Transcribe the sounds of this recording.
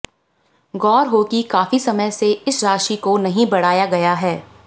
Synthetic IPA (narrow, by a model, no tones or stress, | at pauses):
ɡɔːɾɦoːkikaːfisɐməjseɪsɾaːʃikonɐɦĩbɐɽ̤aːjaɡɐjaɦɛː